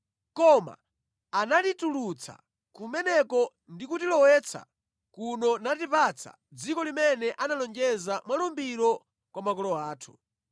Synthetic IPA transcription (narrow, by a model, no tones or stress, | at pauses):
kɔma̰ː | natitulut͡sʰa̰ | kumɛnɛkɔ | ndikutilɔwɛt͡sʰa̰ | kunɔnatipat͡sʰa̰ | d͡zikɔlimɛnɛʔanalɔnd͡ʒɛzamwalumbiɾɔ | kwamakɔlɔaːtʰu̥